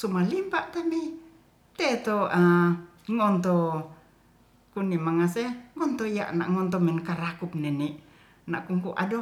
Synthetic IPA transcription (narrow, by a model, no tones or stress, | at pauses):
sumalimpaʔt̪ami | t̪ɛt̪oa | ŋɔnt̪ɔ | kunimaŋasɛŋɔnt̪ɔja̰ʔna̰ʔŋɔnt̪ɔmɛnkaɾakup̚nɛniʔ | na̰ʔkuŋkuʔa̰dɔ